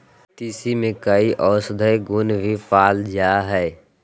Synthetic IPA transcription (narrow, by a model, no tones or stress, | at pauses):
t̪iːsimẽkəiʔɔːsd̪ʱəeɡʊnbʱipaːld͡ʒaːɦɛː